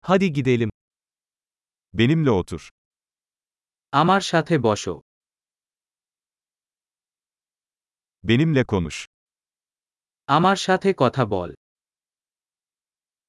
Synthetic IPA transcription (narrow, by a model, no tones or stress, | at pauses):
had̪iɡid̪elʲim | be̞nimlʲɛot̪ʰuɾ̥ | amaɾʃat̪ʰebɔʃo̰ | be̞nimlʲɛkʰo̞nṵʃ | amaɾʃat̪ʰekɔt̪ʰabɔ̰l